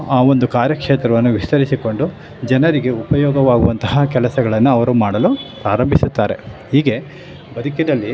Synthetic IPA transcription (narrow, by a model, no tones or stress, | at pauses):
aːo̞nd̪ukaːɾjɐkʂeːt̪ɾɐʋɐnːuʋist̪ɐɾisiko̞ɳɖu | d͡ʒɛnɐɾiɡe̞upɐjɔːɡɐʋaːɡuʋɐnt̪ɐɦakɛlɐsɐɡɐɭɐnːuɐʋɐɾumaːɽɐlupɾaːɾɐmbʱisut̪ːaːɾe̞̰hiːɡe̞ | bɐd̪ʱukinɐlːi